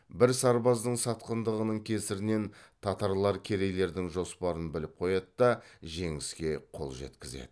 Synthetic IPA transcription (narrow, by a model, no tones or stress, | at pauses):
bɪɾsɑɾbɑzd̪əɴsɑt̪qənd̪əʁənəɴkʲʰe̞sɪɾɪne̞nt̪ʰɑt̪ɑɾlˠɑɾkʲʰe̞ɾe̞le̞ɾd̪ɪŋʒo̞spɑɾənbɪlɪp̚qʰo̞jɑd̪əd̪ɑʒe̞ŋɪskʲe̞qʰo̞̰lˠʒḛt̪kʲɪze̞̰d̪ɪɪ